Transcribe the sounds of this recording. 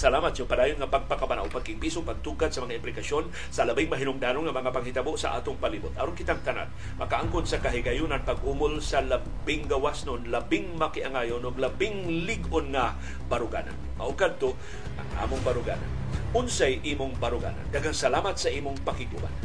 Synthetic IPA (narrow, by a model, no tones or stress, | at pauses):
sɐlaːmat̪̚jʊŋpad̪aːjʊnŋapaɡ̚pakabana̰wpaɡ̚kɪŋpisʊŋpaɡ̚t̪uɡad̪sɐmɐŋaɪmplɪkason | sɐlabɪŋmɐɦɪnʊŋd̪aːnʊŋɐmɐŋapaŋhɪt̪aboʔsa̰ʔa̰ːt̪ʊŋpalibʊt̪ɐɾonkɪt̪aŋt̪ana̰t̪̚ | mɐkaʔaŋkʊnsakaɦɪɡajʊnanpaɡʔumʊlsala | bɪŋɡawasnʊnlɐbɪŋmɐkɪʔaŋaːjʊnʊɡlɐbɪŋlɪɡʔʊnŋa | baɾʊɡa̰ːna̰nma̰ʔʊkad̪̚t̪o | ʔa̰ŋʔa̰mʊŋpaɾʊɡa̰ːna̰n | ʊnsajʔiːmʊŋbaɾʊɡa̰ːna̰nd̪aɡaŋsalaːmat̪saʔiːmʊŋpakɪɡuba̰n